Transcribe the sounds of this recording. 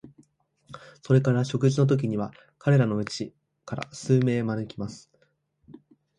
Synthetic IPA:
so̞ɾe̞kaɾaɕo̞kɯ̟ʑino̞t̪̬o̞k̬ʲiɲ̟iβa | kaɾe̞ɾano̞ɯ̟t͡ɕi | kaɾa̰sɨːme̞ːmanɯ̟kʲimasɨ̥

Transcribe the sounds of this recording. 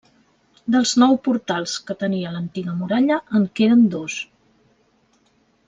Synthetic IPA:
d̪əlˠznɔwpuɾt̪alˠskət̪əniələnt̪iɣəmuɾaʎəʔːŋkeðənd̪os

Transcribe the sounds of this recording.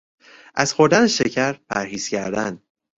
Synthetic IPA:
ʔæz̥xo̞ɾd̪æneʃecʰæɾpʰæɾhiːz̥cʰæɾd̪ænd̪̥

